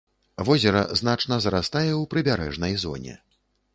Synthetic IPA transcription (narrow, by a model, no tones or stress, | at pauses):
vɔzʲɛɾɐ̰zn̪at͡ʂnɐzɾast̪ajɛwpɾɨbʲaɾɛ̰ʐnɐjzɔ̰nʲɛ̰